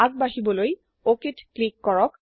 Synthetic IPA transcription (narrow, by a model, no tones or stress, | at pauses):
aɡ̚baɦibɔloj | okitklikːɔɹɔk